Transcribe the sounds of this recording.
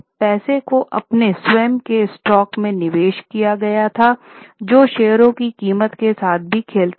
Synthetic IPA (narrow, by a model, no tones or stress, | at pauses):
pɛːsekoʔɐ̰pneswɛːmkesʈɔːkmẽnɪʋeːʃkijaɡɐjat̪ʰad͡ʒoːʃeːɦəɾõkikiːmət̪kesaːt̪̚ʰbʱikʰeːlt̪